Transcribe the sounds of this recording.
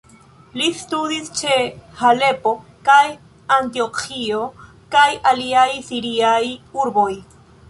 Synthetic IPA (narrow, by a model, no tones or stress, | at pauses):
list̪ud̪ist͡ʃehalepokaj | ant̪iokʰio | kajaliajsiɾiajuɾboj